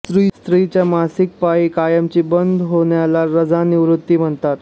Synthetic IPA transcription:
t̪ɾiːst̪ɾit͡ɕjamasik̚paikajəmt͡ɕiːbənd̪ʱɦoɳjalaɾəd͡zaniʋɾut̪ːiːm̤əɳt̪at̪

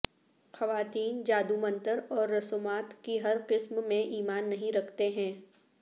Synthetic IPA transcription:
xɐʋaːt̪iːnd͡ʒaːd̪umɐ̃nt̪əɾɔːɾːɐsomaːt̪kiɦɐɾqɪsmmẽʔiːmaːnːɐɦĩɾɐkʰt̪eɦɛ̃ː

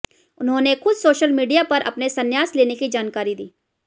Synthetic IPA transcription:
ʊnɦõːnexʊd̪soːʃəlmiːɖijapɐɾʔɐ̰pnesɐnjaːsleːnekid͡ʒaːnkaːɾid̪iː

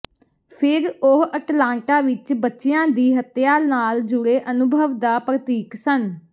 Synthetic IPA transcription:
pʰɪɾoɦəʈlãːɳʈaːʋɪt͡ʃbətːʃɪjãːd̪iːɦət̪jaːnaːld͡ʒʊɾeːʔənʊbʱəʋd̪aːpɾət̪iːksən

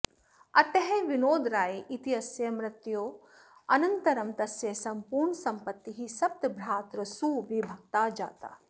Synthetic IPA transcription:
ɐt̪ɐɦeʋinoːd̪ɾaːjeʔit̪iɐsjɐmɾɪt̪joː | ɐnɐnt̪ɐɾɐmt̪ɐsjɐsɐmpuːɾɳɐsɐmpɐt̪ːiɦisɐp̚t̪ɐbʱɾaːt̪ɾɐsuːʋibʱɐkt̪aːd͡ʒa̰ːt̪a̰ː

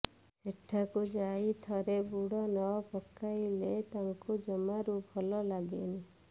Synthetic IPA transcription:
seʈʰːakud͡ʒait̪ʰɔɾebuɽɔnɔɔpɔkːailet̪aŋkud͡ʒɔmaɾubʱɔlɔlaɡeni

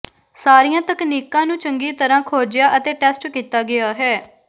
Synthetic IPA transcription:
saːɾijãːt̪əkniːkãːnũːt͡ʃəŋɡiːt̪əɾãːkʰoːɾd͡ʒɪjaːʔət̪eːʈɛːsʈkiːt̪aːɡɪaːɦɛː

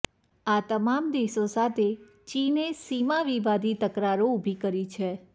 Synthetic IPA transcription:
at̪əmamd̪eʃosat̪ʰe | t͡ʃinesimaʋiʋad̪it̪əkɾaɾoubʱikəɾit͡ʃʰe

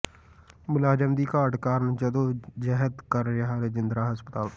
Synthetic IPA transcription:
mʊlaːd͡ʒəmd̪iːkaːəʈkaːɾnd͡ʒəd̪oːd͡ʒəɦəd̪kəɾjaɦaɾed͡ʒɪnd̪ɾaːɦəspət̪aːl

